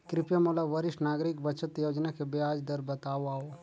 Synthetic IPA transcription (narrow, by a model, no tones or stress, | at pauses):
kɾɪpjamolaʋəɾɪʃʈnaːɡɾɪkbɐt͡ʃət̪joːd͡ʒnakebeaːd͡ʒd̪əɾbɐt̪aːoaːo